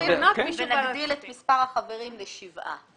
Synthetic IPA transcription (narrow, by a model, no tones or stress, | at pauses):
inamiʃenaɡdilet̪mispaʁhaχaveʁimleʃivʔa̰